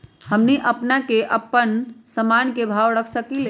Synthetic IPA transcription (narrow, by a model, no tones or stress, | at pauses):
həmniʔəpnakeʔəpːənsəmankebʱawɽəkʰsəkile